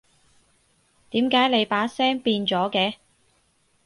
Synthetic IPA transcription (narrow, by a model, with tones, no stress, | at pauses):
t̪iː˨˥mkaː˨˥jle˨˧jpaː˨˥sɛː˥ŋpiː˧nt͡sɔː˨˥kɛː˧